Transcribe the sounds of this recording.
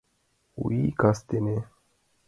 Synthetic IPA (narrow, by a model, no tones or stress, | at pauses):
ṵikast̪ene